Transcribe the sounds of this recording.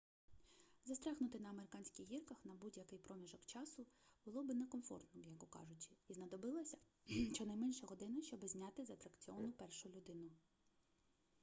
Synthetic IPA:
zɐst̪ɾʲaɣnʊt̪ɪnɐɐmeɾɪkɑnʲsʲkʲɪjɦirkɐxnɐbudʲjɐkɪjpɾɔmʲiʒɔkt͡ʃɑsʊb̥ʊlˠɔbɪnɛkɔmfɔ̰rt̪nɔjɐkɔkɑ̰ʒʊt͡ʃɪ̥iznɐd̪ɔbɪlˠɐsʲɐ | ʃt͡ʃɔnɐjmɛnʲʃɛɦɔd̪ɪnɪʃt͡ʃɔbɪzʲnʲat̪ɪzɐt̪ɾɐkt͡sʲiɔʋɐnʊpɛrʃʊlʲʊd̪ɪnʊ

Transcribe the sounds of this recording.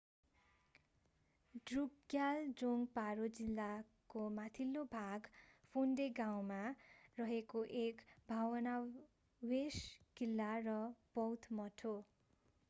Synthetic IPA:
ɖruɡjald͡zoŋɡpaɾod͡zilːa | komat̪ʰilːobʱaɡpʰunɖeɡaw̃marʌɦekoʔekbʱawʌna | weskilːarʌb̥ʌwt̪ʰmʌʈʰo

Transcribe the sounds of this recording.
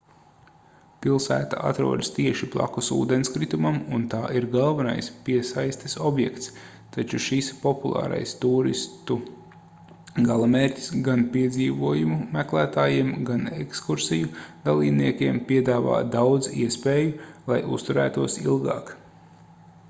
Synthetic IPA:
pilˠsæ̰ːt̪a̰ʔa̰t̪ɾṵɔd̪st̪iɛʃiplˠa̰kusṵːd̪enskɾit̪umamunt̪aːʔiɾɡalˠvana̰jspiɛsajst̪ɪ̥sɔbjɛkt̪s | t̪at͡ʃuʃispɔpulˠɑ̰ːɾa̰jst̪uːɾḭst̪u | ɡalˠameːɾʲcʲi̥sɡanpiɛd̪ziːvuɔjumumæklˠæːt̪aːjiɛmɡanekskuɾsijud̪alˠiːbniɛkʲiɛmpiɛd̪aːva̰ːd̪awd̪zḭɛspeːjulˠajʔṵst̪uɾæ̰ːt̪uɔsḭlˠɡɑ̰ːk

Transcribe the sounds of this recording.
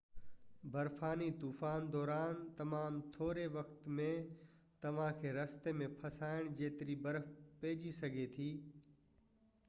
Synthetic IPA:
bɐɾfaːnit̪uːfaːnd̪ɔːɾaːnt̪ɐmaːmt̪ʰoːɾeʋɐkt̪mẽ | t̪ɐʋ̤ãkʰeːɾɐst̪emẽpʰɐsaːɪɽ̃d͡ʑeːt̪ɪɾibɐɾfpeːd͡ʑisɐɡʱet̪ʰiː

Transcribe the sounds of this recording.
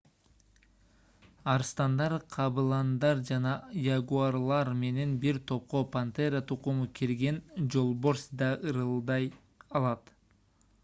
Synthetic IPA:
ɑɾst̪ɑnd̪ɑɾqʰɑbɯlˠɑnd̪ɑɾd͡ʒɑnɑjaɡuarlˠɑɾme̞ne̞nbiɾt̪ʰo̞p̚qopant̪eɾat̪ʰuquɴukʲʰiɾɡe̞nd͡ʒo̞lˠbo̞ɾsd̪ɑʔɯɾɯlˠd̪ɑj | ɑlˠɑt̪

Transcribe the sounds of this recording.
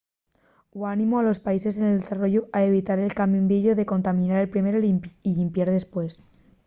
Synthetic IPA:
wanĩmoalo̞spaise̞s̬eneld̪esaro̞ʝoaeβ̞it̪aɾe̞lkambjumbɾeʎoðe̞ko̞nt̪amĩnaɾe̞lpɾime̞ɾoiiʎimpjaɾðe̞spwe̞s

